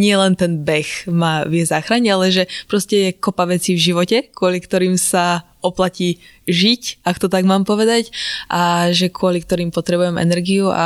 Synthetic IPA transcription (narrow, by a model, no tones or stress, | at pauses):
ɲɪɛlɛnt̪ɛnbɛxmaːʋɪɛzaːxɾaɲɛalɛʒɛpɾɔscɛjɛkɔpaʋɛt͡siːvʒiʋɔcɛkʊɔlikt̪ɔɾiːmsa | ɔplaciː | ʒicakt̪ɔt̪aɡmaːmpɔʋɛd̪acʔaʒɛkʊɔlikt̪ɔɾiːmpɔt̪ɾɛbujɛmɛ̰nɛɾɡiua̰